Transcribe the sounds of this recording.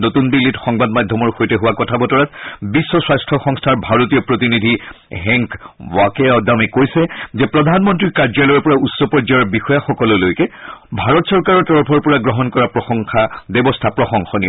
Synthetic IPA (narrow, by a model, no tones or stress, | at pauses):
notunbilːitxɔŋbadmadʱːɔmɔɹxojtɛɦʊwakɔtʰabɔtɔɹatbisːɔswajstʰɔxɔŋstʰaɹbʱaɹotijɔpɹot̬inidʱiɦɛŋkwakɛɔdamɛkojsɛzɛpɹɔdʱanmɔntɹikaɹd͡ʒalɔpɔɹausːɔpɔɹd͡ʒajɔɹbixɔjaxɔkɔlʊlojkɛbʱaɹɔtsɔɹkaɹɔɹtɔɹpʰɔɹpɔɹaɡɹɔɦɔnkɔɹapɹɔxɔŋxʰabɛbɔstʰapɹɔxɔŋxɔni